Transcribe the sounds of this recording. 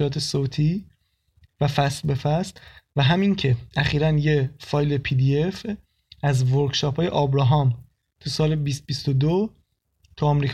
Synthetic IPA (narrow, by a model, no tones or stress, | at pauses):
ɾɒːt̪ʰesot̪ʰiː | væfæslbe̞fæst̪væɦæmiŋcʰe̞æχiːɾænjefɒːjlepʰiːd̪ie̞f | æzvoɾkʃɒːpʰɒːje̞̰ʔɒːbɾɒɦɒm | t̪ʰusɒːlebist̪̚bist̪od̪o | t̪ʰuɒmɾiːkʰ